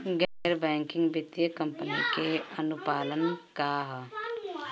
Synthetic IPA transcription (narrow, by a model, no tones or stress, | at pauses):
ɡɛɾbɛ̃ːŋkɪ̃ŋɡbɪt̪jəkə̃mpənikeənʊpaːlənkaɦ